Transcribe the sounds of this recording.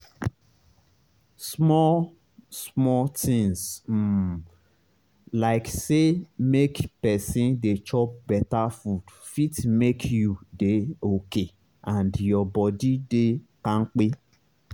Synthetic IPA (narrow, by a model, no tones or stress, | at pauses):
smɔ | smɔtĩŋs̩ | laɪksemekpɛsĩndet͡ʃɔpbɛtafud | fitmekʰjudeoke | ãndjɔbɔdidekãŋ̩k͡pe